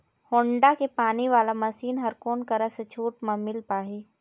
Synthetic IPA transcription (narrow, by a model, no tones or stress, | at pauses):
hõːɳɖakepaːniʋaːlamɐsiːnɦɐɾkoːnkɐɾaset͡ʃʰuːʈmɐ̃mɪlpaːɦiː